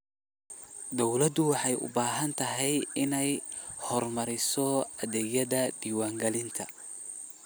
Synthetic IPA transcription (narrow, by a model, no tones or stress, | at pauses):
d̪ɔwlɐd̪ʊwɑħɑjʔʊ̰baːɦɐnt̪ʰɐɦɛjɪnɛjhɔrmɐɾɪsɔɐðɛːjɐðɐd̪̥iːwaːŋɡɐlɪnt̪ʰɐ